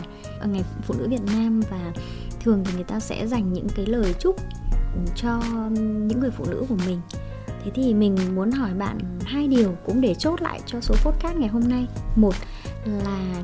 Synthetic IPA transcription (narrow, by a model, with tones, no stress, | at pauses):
ʔəː˧˩ŋa˨˩jfṵ˧˨nɨ̰˧˥vi˨˩ət̚naː˧mvaː˨˩ | t̪ʰɨ˨˩əŋt̪ʰi˨˩ŋɨ˨˩jt̪aː˧sɛ̰˧˥za˨˩jŋ̟ɲɨ̰˧˥ŋkaː˨˦jləː˨˩jt͡ɕʊ˦˥k͡p̚t͡ɕɔ˧ɲɨ̰˧˥ŋːɨ˨˩əfṵ˧˨nɨ̰˧˥ku˧˩əmï˨˩ŋ̟ | t̪ʰe˨˦t̪ʰi˨˩mï˨˩ŋ̟mu˨˦ənɦɔ˧˩jɓa̰ː˧˨nhaː˧jɗi˨˩əwkʊ̰˧˥ŋ͡mɗe˧˩t͡ɕo˦˥t̚la̰ː˧˨jt͡ɕɔ˧so˨˦fo˦˥t̚kaː˦˥t̚ŋa˨˩jɦo˧mna˧jmo˨˩t̚ | laː˨˩